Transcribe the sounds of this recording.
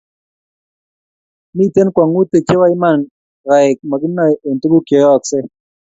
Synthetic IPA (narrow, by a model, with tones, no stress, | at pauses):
mi˦˨te˦nkwa˨ŋu˦te˨t͡ʃe˦wa˦ɪ˦ma˦˨n | ɾa˨ɪ˨k̚mɔ˨ɡɪ˦nɔ˦˨ʔe˨n˨tu˦ɡu˦ke˨jɔ˨ksɪ˦